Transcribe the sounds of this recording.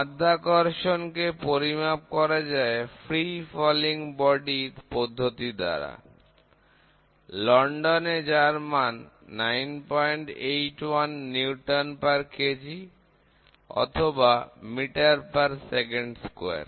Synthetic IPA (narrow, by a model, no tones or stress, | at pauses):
ad̪ʱːakɔɾʃonkepoɾimap̚kɔɾad͡ʑaefʰɾifɔliŋbɔɖiɾpod̪ʱːot̪id̪a̰ɾa̰ | lɔɳɖoned͡ʑaɾmanː | ajnpɔjɳʈejʈwanːiuʈanpaɾked͡ʑi | ɔ̰t̪ʰobamiʈaɾpaɾsekeɳɖskoaḛɾ